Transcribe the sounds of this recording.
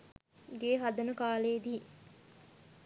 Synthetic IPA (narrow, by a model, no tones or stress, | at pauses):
ɡeːɦad̪ɐnəkaːleːd̪iː